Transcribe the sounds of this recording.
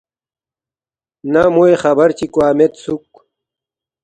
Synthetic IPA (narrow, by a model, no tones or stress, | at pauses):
namoexɐbɐɾt͡ɕikwaːmet̪suk